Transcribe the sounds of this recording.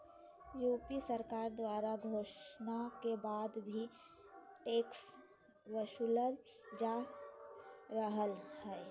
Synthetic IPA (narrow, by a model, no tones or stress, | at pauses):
juːpisəɾkaːɾd̪waːɾaɡʱoːʃnakebaːd̪bʱi | ʈeːks | wəʃuləl | d͡ʒa | ɾəɦəlhɛː